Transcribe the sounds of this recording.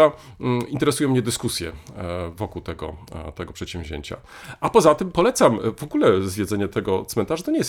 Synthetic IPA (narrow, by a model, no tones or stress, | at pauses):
aint̪ɛɾɛsujɔ̃mːɲɛd̪ɘskusʲjɛ̰vɔkuwt̪ɛɡɔ̰t̪ɛɡɔpʂɛt̪ɕɛ̃mvʲʑḛɲt͡ɕa̰ | ʔapɔzat̪ɘmpɔlɛt̪samvɔɡulɛzvʲjɛd̪zɛɲɛt̪ɛɡɔt̪smɛnt̪aʐat̪ɔɲɛjɛst̪